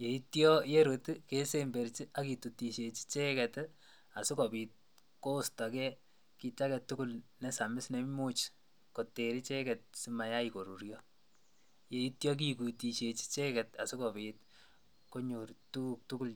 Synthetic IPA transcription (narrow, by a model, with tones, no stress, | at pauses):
je˨i˦tjɔ˦je˦ɾotke˦se˦mbe˨ɾt͡ʃi˦ʔa˦ki˨tu˨ti˨ʃe˨t͡ʃi̥t͡ʃe˦kɛ˨t | a˨su˦kɔ˨piː˨t̚ | ko˦sta˨kɛ˦ | ki˧t͡ʃa˦kɛ˨tu˦ku˦lnɛ˦sa˨mɪ˦sne˨m˦mu˦t͡ʃ | ko˨te˨ɾi˦t͡ʃe˦kɛt̚si˦ma˨ja˦iko˨ɾu˨ɾjɔ | je˨i˦tjɔ˦k̬i˦ku˨ti˨ʃe˨t͡ʃi̥˦t͡ʃe˦kɛta˨su˦kɔ˨pit | ko˦ɲo˨rtu˦k̚tu˦ku˦l